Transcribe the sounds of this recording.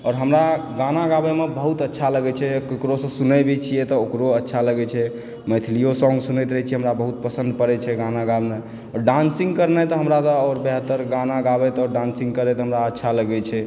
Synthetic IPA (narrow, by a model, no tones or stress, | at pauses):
ɔːɾɦəmɾaɡanaɡabemebəɦut̪ətːʃʰaləɡɛt͡ʃʰɛekɾosə̃sunɛbɛt͡ʃʰijɛt̪ɔokɾoətːʃʰaləɡɛt͡ʃʰɛ | məjt̪ʰlijosɔ̃ŋɡsunɛjt̪ɾəɦɛt͡ʃʰiɛɦəmɾabəɦut̪̚pəsə̃nd̪pəɾɛt͡ʃʰɛɡanaɡabme | ɔːɾɖansĩŋɡkəɾnɛt̪ɔɦəmɾat̪ɔɔːɾbeɦət̪ːəɾɡanaɡabɛt̪ɔːɾɖãnsĩŋɡkəɾɛt̪ɔɦəmɾaətːʃʰaləɡɛt͡ʃʰɛ